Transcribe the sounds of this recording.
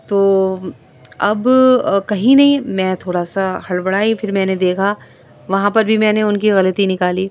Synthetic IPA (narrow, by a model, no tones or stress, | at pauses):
t̪oː | ɐbkɐɦĩnɐɦĩmɛ̃ːt̪ʰoːɽaːsahɐɭbɐɽaːifʰɪɾmɛ̃ːned̪eːkʰa | ʋɐɦãpɐɾbʱimɛ̃ːneʊnkiɣɐlət̪inɪkaːliː